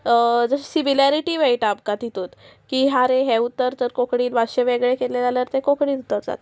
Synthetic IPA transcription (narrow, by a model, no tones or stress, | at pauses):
d͡zəɕsimilaɾiʈiːʋejʈapkat̪it̪ot̪kiːɦaɾeɦeut̪ːəɾt̪əɾkokɽiːlʋaɕeʋeɡɭekelelaljəɾt̪ekokɽiːnut̪ət̪d͡za̰t̪